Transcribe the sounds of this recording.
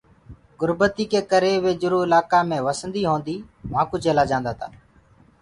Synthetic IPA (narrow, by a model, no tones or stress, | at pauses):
ɡʊɾbət̪iːkeːkəɾeːʋeːd͡ʒʊɾoːɪlaːkaːmẽːʋəsənd̪iːɦõːnd̪iːmãːkʊd͡ʒeːlaːd͡ʒãːnd̪aːt̪ʰa̰ː